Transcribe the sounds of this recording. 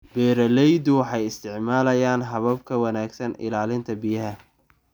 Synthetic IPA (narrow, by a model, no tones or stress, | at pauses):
b̥ɛːɾɐlɛjd̪ʊwɑħɑjɪst̪ʰɪʕmaːlɐjaːnɦɐβɐb̚kʰɐwɑnaːɡsɐnɪ̰laːlɪnt̪ʰɐbɪjɐɦɐ